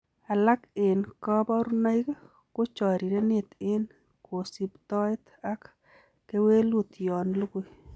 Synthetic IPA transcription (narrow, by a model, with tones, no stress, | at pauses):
a˨la˦kɪ˨nkɔ˦bɔ˦ɾu˦na˦i˦k | ko˦t͡ʃɔ˨ɾi˨ɾe˦nɪ˦t̪ɪ˦n | ko˨si˦pt̪ɔ˦jt̪ | a˦kː | e˦we˦lu˦t̪jɔ˨nlu˦ku˦